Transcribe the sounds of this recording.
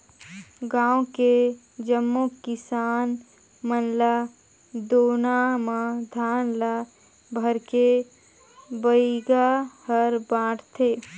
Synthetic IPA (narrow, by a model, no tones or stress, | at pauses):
ɡãːõke | d͡ʒəmːokɪsaːn | mənla | d̪oːnamãd̪ʱaːnla | bʱəɾke | bəiɡahəɾbãːʈʰt̪ʰeː